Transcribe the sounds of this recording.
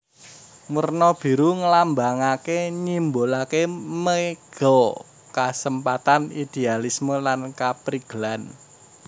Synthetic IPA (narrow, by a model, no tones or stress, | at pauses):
murnɔb̥i̤ɾuŋəlambaŋakeɲimbolakeməɡ̥ɔ | kasəmpat̪anid̪̥e̤alisməlankapɾiɡ̥əlan